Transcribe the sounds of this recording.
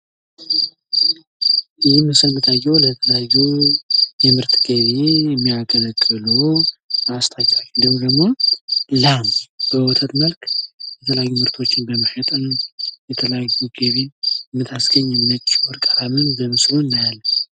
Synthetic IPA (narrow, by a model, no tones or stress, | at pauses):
ʔɨjimːɨsɨlmɨt̪ʰajːɛwlət̪ʰələjajːu | jɛmɨɾt̪ɡəβeɛmːijakʰʼələkʼːɨloast̪ʰat͡ʃʼːakʼid̪əmd̪əɡmo̞lamb̥əwɔt̪ʰət̪məlkjɛt̪ʰələjajːumɨɾt̪ʰo̞t͡ʃːɪnbəməʃət̪ʼɨnjɛt̪ʰələjajːuɡ̥əβemːɨt̪ʰasɡəɲːɛmːɨnət͡ʃːɔɾkʼaɾamɨnbəmɨslunːajalːm